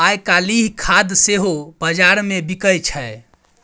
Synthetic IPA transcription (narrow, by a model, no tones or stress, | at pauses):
ajkaliɦkʰad̪seɦob̥əd͡ʒaɾmebikəjt͡ʃʰəj